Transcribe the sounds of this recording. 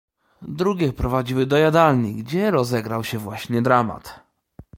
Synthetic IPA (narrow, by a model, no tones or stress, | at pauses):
d̪ɾuɡʲɛpɾɔvad͡ʑiwɘd̪ɔjad̪alɲiɡd͡ʑɛɾɔzɛɡɾawɕɛvwaɕɲɛd̪ɾama̰t̪